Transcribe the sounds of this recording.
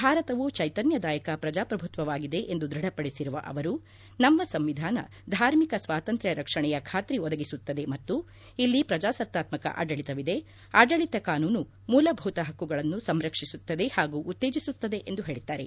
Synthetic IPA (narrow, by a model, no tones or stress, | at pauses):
bʱaːɾɐt̪ɐʋut͡ʃɐjt̪ɐnjɐd̪aːjɐkɐpɾɐd͡ʒaːpɾɐbʱut̪ʋɐʋaːɡid̪e̞ʔend̪ud̪ɾɐɽɐpɐɽisiɾuʋɐ̰ʔɐ̰ʋɐɾu | nɐmːɐsɐmʋid̪ʱaːnɐ̰ | d̪ʱaːɾmikɐsʋaːt̪ɐnt̪ɾjɐɾɐkʂɐɳɛjɐkʰaːt̪ɾiɔd̪ɐɡisut̪ːɐd̪e̞mɐt̪ːu | ilːipɾɐd͡ʒaːsɐt̪ːaːt̪mɐkɐ̰ʔa̰ːɖɐɭit̪ɐʋid̪e̞ | aːɖɐɭit̪ɐkaːnuːnu | muːlɐbʱuːt̪ɐɦɐkːuɡɐɭɐnːusɐmɾɐkʂisut̪ːɐd̪e̞haːɡuʔːt̪ːe̞ːd͡ʒisut̪ːɐd̪e̞ʔend̪uɦe̞ːɭit̪ːaːɾe̞̰